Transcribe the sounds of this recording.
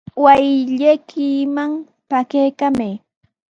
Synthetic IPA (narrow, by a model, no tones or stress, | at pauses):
wajʎakʰɪmaŋ | pakejkamej